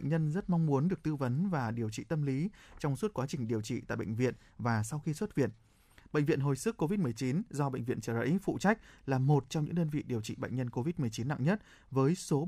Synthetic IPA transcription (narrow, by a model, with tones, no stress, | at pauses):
jŋ̟ɲə˧nzə˦˥t̚mɔ˧wŋ͡mmu˨˦ənɗɨ˨˩ək̚t̪ɨ˧və˨˦nvaː˨˩ɗi˨˩əwt͡ɕḭ˧˨t̪ə˧mli˨˦t͡ɕɔ˧wŋ͡mswt̚kwaː˨˦t͡ɕï˨˩ŋ̟ɗi˨˩əwt͡ɕḭ˧˨t̪a̰ː˧˨jɓə̰˧˨ŋ̟vḭ˧˨ən | vaː˨˩sa˧wxi˧swə˦˥t̚vḭ˧˨ən | ɓḛ˧˨ŋvḭ˧ənɦo˨˩jsɨ˦˥kːo˧vi˦˥t̚mɨ˨˩ə˩jt͡ɕi˨˦nzɔ˧ɓə̰˧˨jŋ̟vḭ˧˨ənt͡ɕəː˧˩lə̰˧˥jfṵ˧˨t͡ɕa˦˥jk̟̚laː˨˩mo˨˩t̚t͡ɕɔ˧ŋ͡mɲɨ̰˧˥ŋɗəː˧nvḭ˧˨ɗi˨˩əwt͡ɕḭ˧˨ɓa̰˧˨jŋ̟ɲə˧nko˧vi˦˥t̚mɨ˨˩əjt͡ɕi˨˦nːa̰˧˨ŋɲə˦˥t̚ | vəː˨˦jso˨˦